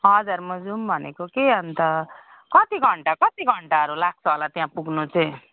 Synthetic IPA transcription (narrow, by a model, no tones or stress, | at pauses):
ɦʌd͡zaɾmʌd͡zumbʱʌnḛkokeʌnt̪ʌ | kʌt̪iɡʱʌɳʈakʌt̪iɡʱʌɳʈaʌɾulak̚ʰsʌlat̪jãpuɡnut͡sʌ̃